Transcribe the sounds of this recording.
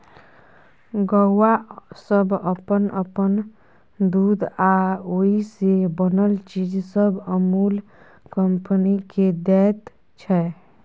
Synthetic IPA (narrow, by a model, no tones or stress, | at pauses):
ɡɔwasəbʱəpənəpən | d̪ud̪aoɦisebənəlt͡ʃid͡ʒsəbəmuːl | kəmpəniked̪ɛt̪ | t͡ʃʰɛ